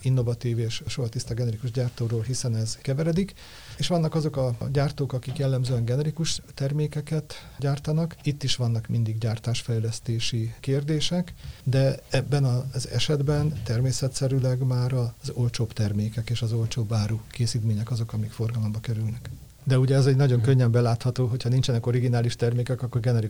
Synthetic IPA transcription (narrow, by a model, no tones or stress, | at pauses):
inːo̞vɒt̪iːveːʃʃoɦɒt̪ist̪aɡɛnɛɾikuʒɟaːrt̪oːɾoːlɦisɛnɛzkɛvɛɾɛd̪ik | eːʃʋɒnːɒkɒzo̞kɒɟaːrt̪oːkɒkikjɛlːɛmzøːɛŋɡɛnɛɾikuʃt̪ɛrmeːkɛkɛt̪ɟaːrt̪ɒnɒkit̪ːiʃʋɒnːɒkmind̪iɡɟaːrt̪aːʃfɛjlɛst̪eːʃikeːrd̪eːʃɛkd̪ɛɛbːɛnɒzɛ̰ʃɛd̪bɛnt̪ɛrmeːsɛt̪sɛɾylɛɡmaːɾɒzo̞lt͡ʃoːpt̪ɛrmeːkɛkeːʃɒzo̞lt͡ʃoːbaːɾukeːsiːt̪meːɲɛkɒzo̞kɒmikfo̞rɡɒlo̞mbɒkɛɾylnɛk | d̪ɛuɟɛɛzɛɟnɒɟo̞ŋkøɲːɛmbɛlaːt̪hɒt̪oːɦochɒnint͡ʃɛnɛko̞ɾiɡinaːliʃt̪ɛrmeːkɛkɒkːo̞rɡɛnɛɾi